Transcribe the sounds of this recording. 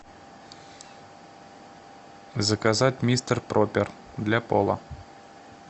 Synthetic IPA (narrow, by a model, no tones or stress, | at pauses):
zəkazatʲmʲist̪ərprʔopʲer | d̪lʲapolˠə̰